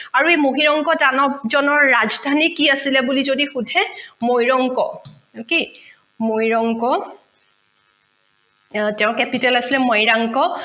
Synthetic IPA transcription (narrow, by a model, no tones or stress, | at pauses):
aɹuejmoɦiɹɔŋkɔtanɔbzɔnɔɹːazdʱanikiasilɛbulizodixudʱɛmojɹɔŋkɔ | oke | mojɹɔŋkɔ | tɛʊ̃kɛpitɛlasilɛmɔjɹaŋkɔ